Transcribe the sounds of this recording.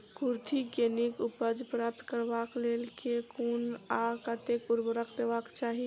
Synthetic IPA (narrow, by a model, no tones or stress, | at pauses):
kuɾt̪ʰikenikupəd͡ʒpɾaːp̚t̪kəɾbaklelkekunakət̪ekuɾbəɾəkʰd̪ebakt͡ʃaːɦi